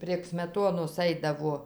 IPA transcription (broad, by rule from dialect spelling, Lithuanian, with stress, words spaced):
pʲrʲiɛk sʲmʲɛˈtoːnoːs ˈɐɪdɐʋoː